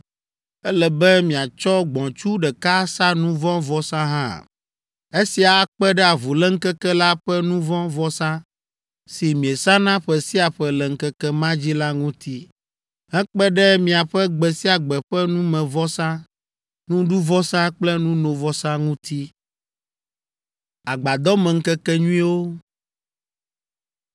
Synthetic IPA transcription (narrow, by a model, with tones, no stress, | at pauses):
ɛ˦lɛ˨bɛ˦mĩ˨a˨t͡ʃɔ˦ɡ͡bɔ̃˨t͡ʃu˦ɖɛ˨ka˦sa˦nũ˦vɔ̃˦vɔ˦sã˦ɦã̰˦˨ | e˦si˨a˨˦k͡pɛ˦ɖɛ˦a˨vu˨lɛ˦ŋ̩˦kɛ˦kɛ˦la˦ɸɛ˦nũ˦vɔ̃˦vɔ˦sã˦ | si˨mĩ˨e˨sã˦nã˦ɸɛ˨si˦a˨ɸɛ˨lɛ˨ŋ̩˦kɛ˦kɛ˦mã˦d͡ʑi˦la˦ŋũ˦t̪i˦ | hɛ˦k͡pɛ˦ɖɛ˦mĩ˨a˨ɸɛ˦ɡ͡bɛ˨si˦a˨ɡ͡bɛ˨ɸɛ˦nũ˦mɛ̃˨vɔ˦sã˦ | nũ˦ɖu˦vɔ˦sã˦k͡plɛ˦nũ˦nõ˨vɔ˦sã˦ŋũ˦t̪i˦ | a˨ɡ͡ba˨d̪ɔ˦mɛ̃˨ŋ̩˦kɛ˦kɛ˦ɲũ˦ĩ˦wo˦